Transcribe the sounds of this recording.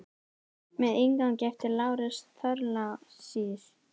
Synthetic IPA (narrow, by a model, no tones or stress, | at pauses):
mɛðejŋkancɛft̪ɪlaːwɾɪsθœɾlasiːθ